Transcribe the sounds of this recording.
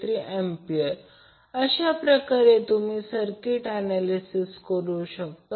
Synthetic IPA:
t̪ɾiʔempiəɾ | əɕapɾəkaɾet̪um̤iːsəɾkiʈanalisiskəɾuɕək̚t̪a

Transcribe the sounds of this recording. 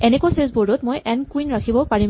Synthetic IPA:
ɛnekuasesbudʊtmojʔɛnkwinɹakʰibɔpaɹim

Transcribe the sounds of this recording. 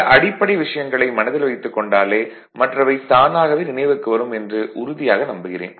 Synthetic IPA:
ʔɐɽɪpːɐɽɐɪʋɪʂɐjɐŋɡɐɭɐɪmɐnɐðɪlʋɐɪt̪ːɯkːɔɳɖaːleː | mɐʈrɐʋɐɪt̪aːnaːɣɐʋeːnɪnɐɪʋɯkːɯʋɐɾɯmɛndrɯʔʊɾʊðɪjaːɣɐnɐmbɯɣɪrḛːn

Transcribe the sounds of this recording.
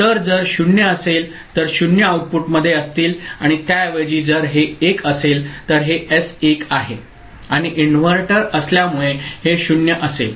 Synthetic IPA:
t̪əɾd͡zəɾɕuɳjəəsel | t̪əɾɕuɳjəawʈ̚puʈməd̪ʱːjeəst̪iːlaɽ̃it̪jaʋəd͡ʑiːd͡zəɾɦeːkəselt̪əɾɦeʔesekaɦe | aɽ̃iʔinʋəɾʈəɾəsljamuɭeheɕunjəʔəsḛl

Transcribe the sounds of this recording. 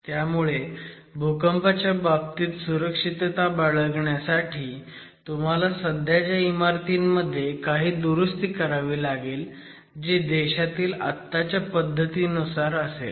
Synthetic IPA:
t̪jamuɭebʱukəmpat͡ɕjabab̚t̪iːt̪suɾəkʂit̪t̪abaɭəɡɳjasaʈʰiː | t̪um̤alasəd̪ʱjad͡ʑjaimaɾt̪iːnːəd̪ʱːjekaɦiːd̪uɾust̪iːkəɾaʋiːlaɡeːl | d͡ʑed̪eɕat̪iːla̰t̪ːat͡ɕjapəd̪ʱːət̪iːənusaɾəsḛl

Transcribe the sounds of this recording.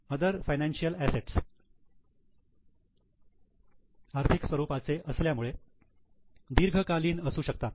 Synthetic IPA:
əd̪əɾfajnænɕijəlæseʈs | aɾt̪ʰiksʋəɾupat͡seʔəsljamuɭe | d̪iɾɡʱəkaliːnəsuːɕək̚t̪at̪

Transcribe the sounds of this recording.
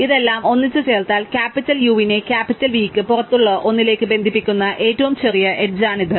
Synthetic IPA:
iðe̞lːaːmo̞nːit͡ɕːɨt͡ɕe̞ːɭt̪aːlkaːpːitːɐljuːʋine̞kʲaːpːitːɐlʋiːkːɨpurɐt̪ːuɭːɐʔo̞nːile̞ːkːɨbe̞nd̪ʱipːikʲːunːɐʔe̞ːtːɐʋumt͡ɕe̞rijɐʔe̞ʈ̚d͡ʑaːɳiðɨ

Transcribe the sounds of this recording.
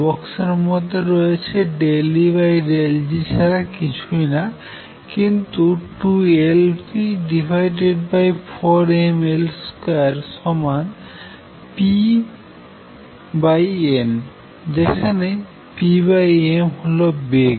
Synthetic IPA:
bɔksaɾmot̪eɾɔet͡ɕʰeɖeliβajɾeld͡ʑit͡ɕʰaɾakit͡ɕʰujna | kint̪uʈuelpiɖibʱajɖeɖbajfɔɾemelskaɾʃɔman | pi | bajen | d͡ʑekʰane | pibajemɦolobeɡ

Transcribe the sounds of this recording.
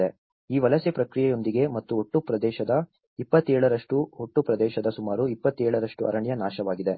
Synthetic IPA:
e | iːʋɐlɐsepɾɐkɾijɛjo̞nd̪iɡe̞mɐt̪ːuɦoʈːupɾɐd̪ɛːʃɐd̪ɐ | ipːɐt̪ːɛːɭɐɾɐʂʈuɦoʈːupɾɐd̪ɛːʃɐd̪ɐsumaːɾuipːɐt̪ːɛːɭɐɾɐʂʈuɐ̰ɾɐɳjɐnaːʃɐʋaːɡid̪e

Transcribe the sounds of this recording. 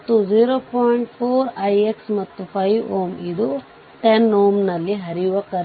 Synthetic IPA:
t̪ːud͡ʒiːɾoːpʰɔːjiɳʈpʰoːɾɐjeksmɐt̪ːupʰɐjʋoːmid̪u | ʈenːoːmnɐlːiɦɐɾijuʋɐkɐɾ

